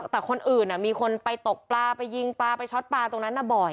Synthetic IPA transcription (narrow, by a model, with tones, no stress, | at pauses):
t̪ɛː˨˩kʰo˧nʔɯː˨˩nːa˨˩miː˧kʰo˧npa˧jt̪o˨˩k̚plaː˧pa˧jːi˧ŋplaː˧pa˧jt͡ɕʰɔ˦˥t̪̚paː˧t̪o˧ŋna˦˥nːʔa˧˩bɔ˨˩j